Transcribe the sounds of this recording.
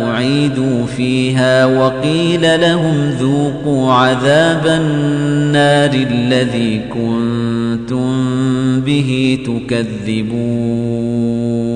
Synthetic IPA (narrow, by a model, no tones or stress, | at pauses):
ʔʊʕiːd̪uːfiːɦaːwɑqiːlalaɦʊmðuːquːʕaðaːbanːaːɾɪʔlːaðiːkʊnt̪ʊmbɪɦit̪ʊkaðːɪbuː